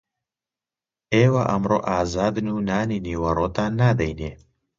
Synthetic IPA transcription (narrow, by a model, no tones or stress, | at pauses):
eːwaʔɐmroːʔaːzaːd̪nuːnaːniniːwɐɾoːt̪aːnːaːd̪ejneː